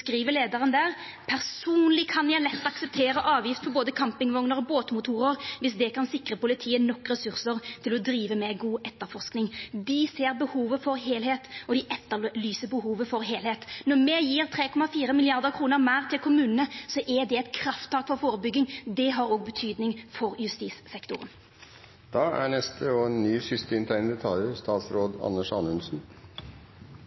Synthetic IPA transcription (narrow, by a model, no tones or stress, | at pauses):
skɾiːʋəɾleːd̪əɾənd̪æːʁ | pʰæɾsuːnlɪkʰɑnjæɪlɛt̪ːɑksɛp̚t̪ʰeːɾəʔɑːʋjɪft̪fʰɔboːd̪əkʰɑmpɪŋʋɔŋnəɾɔboːt̪mʊt̪ʰuːɾəɾʋɪsd̪ɛkɑnsɪkɾəpʊlɪt̪ʰiːənɔkːɾɛsʉɾsəɾt̪ʰɪlɔd̪ɾiːʋəmɛɡuːʔɛt̪ːəɾfɔʁsknɪŋd̪ɪseːɾbəhuːʋəfɔɾɦeːlheːt̪ɔd̪ɪʔɛt̪ːəlyːsəbəhuːʋəfɔɾɦeːlheːt̪nɔʁmɛjiːʁt̪ʰʁeːkʰɔmɑfiːɾəmɪlɪɑʁd̪əʁkʰʁuːnəʁmæɪʁt̪ʰɪlkʰʊmʉːnənəsɔʔɛd̪ɛɛt̪kʰɾɑft̪ʰːɑːkfɔʁfoːɾəbʏɡːɪŋd̪ɛɦɑɾoːɡ̚bət̪ʰyːd̪nɪŋfɔɾjʉst̪iːsːɛkt̪ʊ̰ʁə̰n | d̪̥ɑːæ̰nɛst̪ʰəoːnyːsʏst̪əɪnt̪ʰæɪnəd̪ɛt̪ʰɑljəst̪ɑːt̪sɾoːd̪ɑ̰nːəʂɑ̰nəʉnsn̩